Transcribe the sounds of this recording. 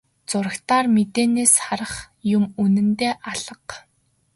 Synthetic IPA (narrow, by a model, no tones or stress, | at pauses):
t͡sʊɾə̆xt̪aːrmet̪eːneːsχaɾə̆χ | jʊmunɘ̆nt̪eːʔaɮə̆q